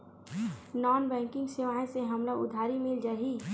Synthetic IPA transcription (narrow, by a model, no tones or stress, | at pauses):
nɔːnbɛ̃ːŋkɪ̃ŋɡseʋaːẽseɦɐmlaʊ̰d̪ʱaːɾimɪld͡ʒaːɦi